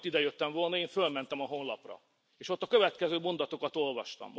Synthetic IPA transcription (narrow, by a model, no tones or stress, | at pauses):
t̪ːid̪ɛjøt̪ːɛɱvo̞lnɒeːɱfølmɛnt̪ɛmɒɦo̞nlɒ̰prɒ̰ | eːʃo̞t̪ːɒkø̞vɛt̪kɛzøːmo̞nd̪ɒt̪o̞kɒt̪o̞lvɒʃt̪ɒ̰mː